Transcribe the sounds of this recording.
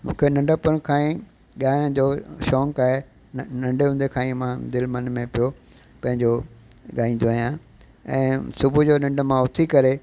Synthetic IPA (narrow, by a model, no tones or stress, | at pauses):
mũːkʰenɐ̃ɳɖəpʊɽ̃kʰãːĩ | ɠaːɪɽ̃d͡ʑoːʃɔːŋkaːɦe | nɐ̃ɳɖeɦũnd̪ekʰaːĩmãd̪ɪlmɐnmẽpijo | pɐ̃ɦɪ̃ɲd͡ʑoɠaːĩːn̆d̪oaːɦijãː | ɛ̃ːsʊbʱud͡ʑoːnɐ̃ɳɖ̆mãʊt̪ʰikɐɾe